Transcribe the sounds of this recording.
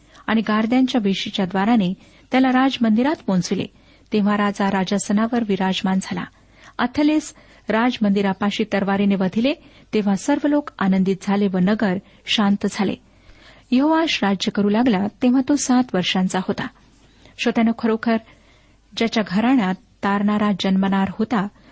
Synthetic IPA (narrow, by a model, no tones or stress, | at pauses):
aɽ̃iɡaɾd̪jaɲt͡ɕjaʋeɕit͡ɕjad̪ʋaɾane | t̪jalaɾad͡zmənd̪iɾat̪mõnt͡silḛ | t̪eʋ̤aɾad͡zaɾad͡ʑasənaʋəɾʋiɾad͡ʑmand͡zʱala̰ | ə̰t̪ʰəles | ɾad͡zmənd̪iɾapaɕiːt̪əɾʋaɾeneʋəd̪ʱile | t̪ẽʋ̤asəɾʋəlokanənd̪it̪̚d͡zʱaleʋənəɡəɾ | ɕant̪d͡zʱalḛ | jəɦoʋaɕɾad͡ʑjəkəɾuːlaɡlat̪eʋ̤at̪osat̪ʋəɾʂãnt͡sahot̪a | ɕət̪janəkʰəɾokʰəɾ | d͡ʑjat͡ɕjaɡʱəɾaɽ̃at̪ːaɾɳaɾad͡ʑənmənaɾhot̪a